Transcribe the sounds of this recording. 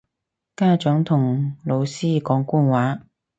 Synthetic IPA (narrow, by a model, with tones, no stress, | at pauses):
kaː˥t͡sœ˨˥ŋt̪ʰʊ˨˩ŋlo˨˧wsiː˥kɔː˨˥ŋkuː˥nwaː˨˥